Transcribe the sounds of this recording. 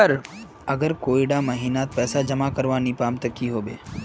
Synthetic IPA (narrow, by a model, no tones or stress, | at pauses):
əɾ | əɡəɾkoːiɽaməɦiːnat̪̚pɛːsad͡ʒəmakəɾʋaːnipaːmt̪əkiɦoːbḛː